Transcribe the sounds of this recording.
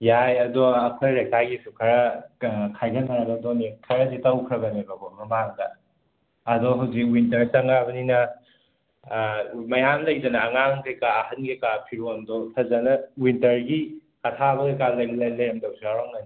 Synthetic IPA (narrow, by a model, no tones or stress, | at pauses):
jajɐdɔɐkʰojɾek̚taɡisukʰɐɾɐkʰajɡɐnaɡɐdonikʰɐɾɐditɐwkʰɾɐbɐnibɐɡomɐmaŋdɐ | ɐdɔɦawzik̚wintɐɾsɐŋabɐninɐ | mɐjamlɐjdɐnɐːŋaŋkejkaːhɐnɡikapʰiɾondɔsʰɐzɐnɐwintɐɾɡi | ɐtʰabɐjkalɐjɡɐlɐjlɐjɐmdɐwzaɾoŋɐni